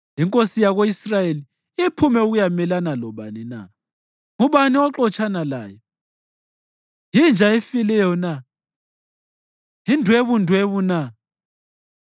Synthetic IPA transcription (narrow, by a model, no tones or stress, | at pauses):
iŋkʼosijaɣoisrajeli | ipʰumɛuɣujamɛlanalɔβanina̰ | ŋuβaniwaǃɔt͡ʃʰʼanala̰ːjɔ | jind͡ʒʱaefilɛjɔna | indʱweβundʱweβuna